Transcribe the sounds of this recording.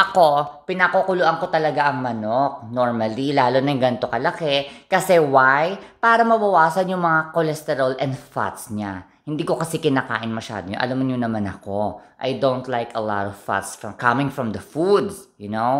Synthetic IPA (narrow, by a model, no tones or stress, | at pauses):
ʔɐko̞pɪnakokʊlʊʔɐŋko̞t̪ɐlɐɡaʔɐŋmɐnok̚noɹmɐlilaːlonɐŋɡɐnt̪o̞kɐlɐkɛkɐsɛwajpaːɾɐmɐbɐwaːsɐnjʊŋmɐŋakolɛst̪ɛɾɐlɛnd̪fa̰t̪sɲa | hɪnd̪iːko̞kɐsɛkɪnaːka̰ːʔɪnmɐʃa̰ːd̪ojo̰nʔɐ̰lamʊnɲʊnɐmanɐ̰ko̞ʔɐ̰jd̪õwnt̪lajkɐla̰t̪ɔv̥fa̰t̪sfɹɐmkɐmɪ̃ŋfɹɔmd̪ɐfud̪sjʊno